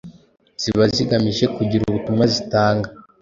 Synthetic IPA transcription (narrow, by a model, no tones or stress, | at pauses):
z̥iβaziɡamiʒe̞kuɟiɾuutumwazitaːŋɡa